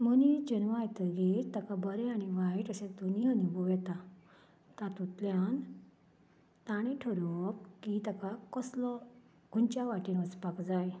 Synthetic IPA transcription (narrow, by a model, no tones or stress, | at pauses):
mənid͡ʑənʋajt̪əɡeɾt̪akabəɾeaniʋaiʈəsed̪uniənibɔʋɛt̪a | t̪at̪ut̪ljan | t̪aɽ̃ẽʈʰəɾop̚kit̪akakɔslɔ | ɡ̥unt͡ɕjaʋaʈinʋət͡spakd͡zaj